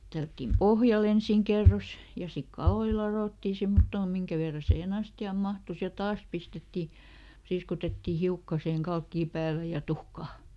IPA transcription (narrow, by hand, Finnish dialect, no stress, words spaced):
tælːætːim pohjɑl ensiˑŋ kerːos jɑ sik kɑloi lɑroˑtːiˑ semːotːoː miŋkæ ʋerːɑ siːhen ɑstiɑˑm mɑhtus jɑ tɑːs pistetːi priːskutetːiˑ hiukːɑ siheŋ kɑlkːiː pæːlæ jɑ tuhkɑː